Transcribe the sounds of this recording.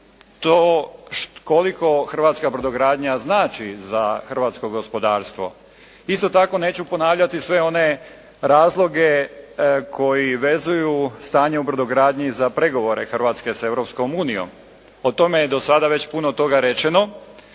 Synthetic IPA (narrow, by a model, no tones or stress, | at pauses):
t̪oʃkolikʰo̞xr̩ʋat̪skabɾod̪oɡɾaːd̪ɲaznaːt͡ʃizaxr̩ʋaːt̪sko̞ɡo̞spo̞d̪aːɾst̪ʋo̞̰ | ist̪o̞t̪ako̞ne̞ːt͡ɕupo̞naːʋʎat̪isʋe̞o̞ne̞ | ɾaːzlˠo̞ɡe̞ | kʰo̞jiʋe̞zujust̪aːɲeubɾod̪oɡɾaːd̪ɲizapɾeɡo̞ʋo̞ɾe̞xr̩ʋaːt̪ske̞se̞ʋɾopsko̞muːnijo̰m | ot̪o̞mejed̪o̞sad̪aʋe̞t͡ɕpunot̪o̞ɡaɾet͡ʃeno̞